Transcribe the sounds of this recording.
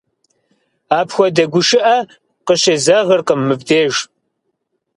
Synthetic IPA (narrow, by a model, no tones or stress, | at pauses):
aːpxʷɔdɐɡʷʊʃɪʔɐ | qəɕeːzɐʁɐrqʼəmːɨbdeːʒ